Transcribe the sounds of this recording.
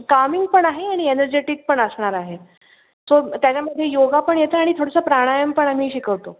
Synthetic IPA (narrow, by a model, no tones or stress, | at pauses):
kamiŋɡ̚pəɳaɦeaɽ̃ienəɾd͡ʑeʈik̚pəɳəsɳaɾaɦe | sot̪jat͡ɕjaməd̪ʱjejoɡapəɳjet̪əaɽ̃it̪ʰoɽəsəpɾaɽ̃ajəmpəɳam̤iːɕikəʋt̪o